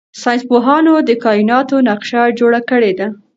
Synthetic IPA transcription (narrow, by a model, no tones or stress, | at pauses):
sɑjnspoɦɑnod̪əkɑinɑt̪onaqʃad͡ʒoɽakəɽed̪a